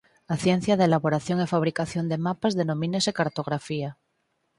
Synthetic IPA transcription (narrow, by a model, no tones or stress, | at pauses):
aθjẽn̟θjaðelaβo̞ɾaθjoŋefaβ̞ɾikaθjond̪e̞mapazðe̞no̞mĩnesekaɾt̪o̞ɣ̞ɾafia